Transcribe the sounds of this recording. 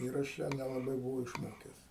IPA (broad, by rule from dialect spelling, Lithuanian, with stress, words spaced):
ˈɪr ɐʃ jæː nʲɛlˠɐˈbɐɪ bʊˈʋɐʊ ɪʃˈmoːkʲɛs